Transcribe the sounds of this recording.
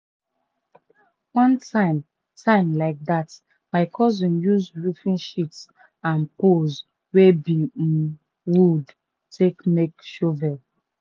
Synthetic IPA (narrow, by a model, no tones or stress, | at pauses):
wɔ̃ntʰãɪ̃m | tʰãɪ̃mlaɪk̚dat | maɪkʰɔzĩnjuzɹufĩnʃits | ãnpoz | webim̩ | wud | tekmekʃovɛ